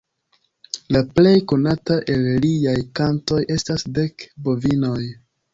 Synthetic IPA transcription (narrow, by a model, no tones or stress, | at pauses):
laple̞jko̞nataʔe̞lliajkanto̞jʔe̞stasde̞kbo̞vino̞j